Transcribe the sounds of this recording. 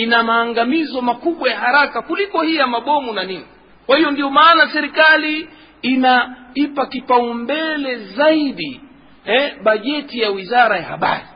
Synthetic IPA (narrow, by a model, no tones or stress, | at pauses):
inamaːŋɡamizɔmakuɓwajaɦaɾakakulikɔhijamaɓɔmunanini | kwahijɔndijɔmaːnasɛɾikaliː | naipakipaumbɛlɛzaiɗi | ɛɓaʄɛtijawizaɾajahaɓa̰ɾi